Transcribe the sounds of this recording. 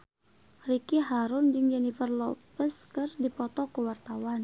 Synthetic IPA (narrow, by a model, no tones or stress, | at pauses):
rikiɦaɾʊnd͡ʒɨŋd͡ʒɛnifərlɔpəskɨrdipɔt̪ɔkəwart̪awan